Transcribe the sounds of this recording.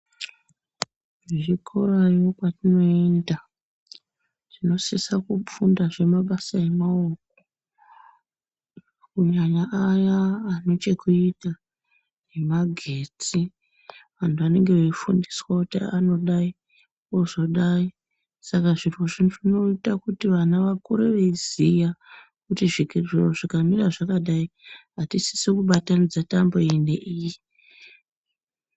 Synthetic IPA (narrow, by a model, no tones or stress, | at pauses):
ʐikʰoɾajo̞kwatino̞enda | ʐ̥ino̞sisakufundaʐe̞maɓasae̞maok̚o | kuɲaɲaʔːjaːno̞t͡ʃe̞kuita | ne̞maɡʱeːt͡si | ʋantʰuʋane̞ŋɡeʋeifundiswakutiano̞ɗai | oʐo̞ɗai | sakaʐirwoʐinʐino̞itakutiʋanaʋakuɾeʋeizija | kutiʐiʐiroʐikamiɾaʐakaɗaiɦatisi̥sikuɓatanid͡zatamboendḛʔiːji